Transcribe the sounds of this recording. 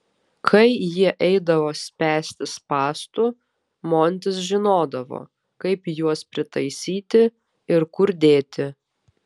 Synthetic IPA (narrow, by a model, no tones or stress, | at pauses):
kʰɐɪjiɛʔɛɪd̪ɐʋoːsʲpʲæːsʲt̪ʲɪspɑːst̪u | moːnʲt̪ʲɪsʒʲɪnoːd̪ɐʋo̰ː | kɐɪpjuɔspʲɾʲɪt̪ɐɪsʲiːt̪ʲɪ | ɪɾkʊɾd̪ʲeːt̪ʲɪ